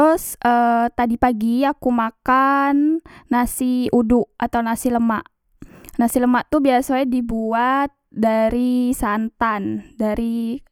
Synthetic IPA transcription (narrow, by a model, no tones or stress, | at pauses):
t̪ɾʊsʔət̪adipaɡiakumakanːasiudʊʔat̪awnasiləma̰ʔ | nasiləmaʔt̪ubiasadibuat̪̚daɾisant̪andaɾʔi